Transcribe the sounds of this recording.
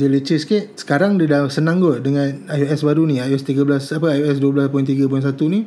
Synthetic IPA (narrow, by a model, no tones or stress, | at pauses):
dilət͡ʃiskiʔsə̥kaɾaŋdidasənãŋɡədəŋãnajoɛsbaɾuniajɛst̪iɡablasapəajoɛsduablaspɔjnt̪̬iɡap̬ɔjns̬at̪uni